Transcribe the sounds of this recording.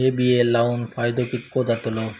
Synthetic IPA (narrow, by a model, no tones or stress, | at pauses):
ebielawnfajd̪okikod̪at̪olo